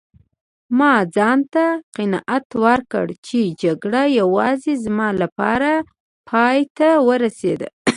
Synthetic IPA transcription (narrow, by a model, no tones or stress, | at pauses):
mɑd͡zɑnt̪aqɪnɑʔat̪wəɾkə̰ɽt͡ʃed͡ʒaɡɽajawɑzezmɑlapɑ̰ɾa | pʰɑjt̪awəɾased̪a̰